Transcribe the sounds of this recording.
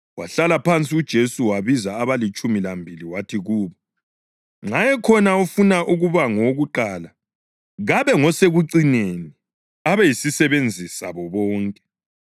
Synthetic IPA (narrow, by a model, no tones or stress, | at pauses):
wa̰ɬalapʰant͡sʼiud̥ʒ̥ʱesuwaβizaːβalit͡ʃʼumilambʱiliwatʰiɣuːβɔ | ŋ͡ǁajɛkʰɔnaufunaʔuɣuβaŋoɣuǃaːla | ɣaβɛŋɔseɣuǀineni | aβɛjisisɛβend͡zʱisa̰βɔβɔːŋkʼɛ̥